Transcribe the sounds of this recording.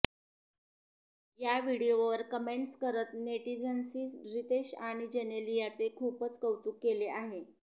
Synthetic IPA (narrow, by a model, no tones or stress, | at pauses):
jaʋiɽioʋəɾkəmeɳʈskəɾət̪neʈid͡zənsisɖɾit̪eɕaɽ̃id͡ʑenelijat͡sekʰuːpət͡skəwt̪uːkːeleʔaɦe